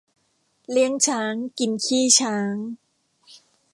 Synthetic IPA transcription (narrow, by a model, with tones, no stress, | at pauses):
li˥˩əŋt͡ɕʰaː˦˥ŋki˨˧nkʰiː˥˩t͡ɕʰaː˦˥ŋ